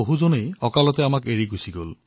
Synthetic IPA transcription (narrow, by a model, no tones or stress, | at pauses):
oɦuzonejɔkalɔt̪eamakeɹiɡʱusiɡol